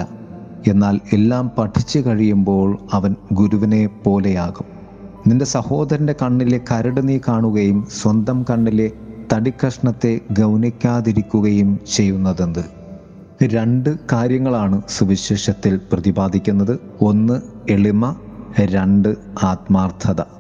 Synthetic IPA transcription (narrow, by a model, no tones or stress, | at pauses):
lːɐ | e̞nːaːle̞lːaːmpɐʈʰːit͡ɕːɨkɐɻijumbo̞ːɭɐʋɐnɡuɾuʋɐne̞po̞ːle̞jaːɣum | ninde̞sɐho̞ːd̪ɐɾɐnde̞kɐɳːile̞kɐɾɐɽɐnikaːɳuɣɐjumswɐnd̪ɐmkɐɳːile̞t̪ɐɽikːɐʂɳɐt̪ːe̞ɡɐwnikʲːaːðiɾikʲːuɣɐjumt͡ɕe̞jːunːɐðend̪ɨ | ɾe̞ɳɖɨkaːɾjɐŋːɐɭaːɳɨsuʋiɕeːʂɐt̪ːilprɐðibaːd̪ʱikʲːunːɐðɨo̞nːɨeɭimɐɾeɳɖɨaːt̪maːrt̪ʰɐðɐ